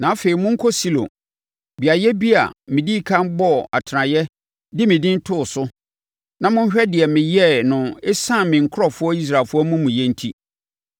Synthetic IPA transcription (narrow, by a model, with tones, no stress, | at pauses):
nã˨a˦fe˨i˨mʊ̃˦ŋ̩˦kʰɔ˦si˦lõ̰˨ | bi˨a˨jɛ˦bi˦a̰˨mɪ̃˨di˦kʰã˦mbɔ˦˨a˨tʰɪ˨ɾã˨jɛ˦ | dɪ˦mɪ̃˨dɪ̃˦n̩˦tʰʊ˦˨sʊ˦ | nã˦mʊ̃˦n̩˦ɕᶣɛ˦dɪ˨ɛ˨mɪ̃˨jɛ˦˨nʊ̃˨ɪ˦sã˦˨mɪ̃˨ŋ̩˨kʰʊ˦ɔ˨fʊ˦ɔ˦i˦s̬ɾaː˨lfʊ˦ɔ˦mũ˦mũ˨jɛ̃˦n̩˦tʰi˦